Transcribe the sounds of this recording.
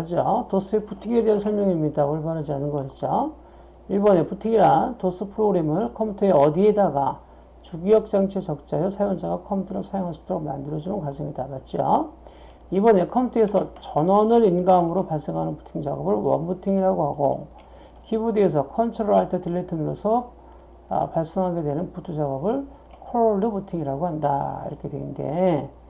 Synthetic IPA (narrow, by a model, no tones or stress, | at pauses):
ad͡ʑiotos͈ɯepʰutʰiŋe̞de̞ɦansʰʌɭmjʌŋimɲidaoɭbaɾɦad͡ʑianɯnɡʌɕʰit̚t͡ɕ͈o | iɭbʌne̞putʰiŋiɾantos͈ɯpʰɯɾoɡɾe̞mɯɭkʰʌmputʰoe̞ʌdie̞daɡa | t͡ɕuɡijʌk̚t͡ɕ͈aŋt͡ɕʰet͡ɕʌk̚t͡ɕ͈ajosʰajoŋd͡ʑaɡakʰʌmʰutʰoɾosʰajoŋasʰʌ̥t͈ʰooma̰ndɯɾʌd͡ʑimɯnkad͡ʑiŋidamat̚t͡ɕ͈io̰ | ibʌne̞kʰʌmpʰutʰʌe̞sʰʌt͡ɕʌnʌnɯɾinɡamɯɾopaɭs͈eŋɦanɯnpu̥tʰiŋd͡ʑa̰ɡʌbɯɭwʌ̰nbutʰiŋiɾaɡoɦaɡo̰ | kibudees̬ʰʌkʰʌnt͡ɕʰɯɾɦaɭtʰetɯlːetʰɯnɯɾosʰʌ̰ | paɭs͈ʌŋɦaɡe̞dwe̞nɯnputʰud͡ʑaɡʌbɯɭ | kʰoɭoɭːobutʰiŋiɾaɡoɦanda̰ḭɾʌkʰe̞dwḛnnde̞̰